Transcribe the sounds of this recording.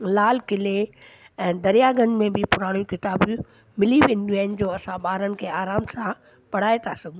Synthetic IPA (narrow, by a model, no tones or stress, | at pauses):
laːlkɪle | ɛ̃ːd̪ɐɾijaɡɐ̃nmẽbɪpʊɾaːɽ̃jukɪt̪aːb | mɪliʋẽːnɪ̆ɗiaːɪnɪ̆d͡ʑoːɐsãɓaːɾənɪ̆kʰeːaːɾaːmsã | pɐɽ̤aːet̪ʰasɐɡ̪ʱ